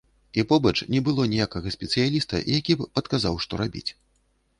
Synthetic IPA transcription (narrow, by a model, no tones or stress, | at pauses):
ipɔbɐt͡ʂnʲɛbɨlˠɔnʲɛjakɐɣɐsʲpʲɛt̪sɨjalʲist̪ɐ̰jakʲipɐt̪kazawʂt̪ɔɾabʲḭt͡sʲ